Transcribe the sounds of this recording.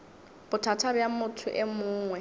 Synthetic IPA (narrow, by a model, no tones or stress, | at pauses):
b̥ʊtʰatʰabjamʊtʰʊʔɛmʊːŋwɛ